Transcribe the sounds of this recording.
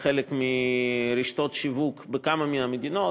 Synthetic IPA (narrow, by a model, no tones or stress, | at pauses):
χelekmiɾiʃt̪ot̪ʃivukbekamaminamed̪ino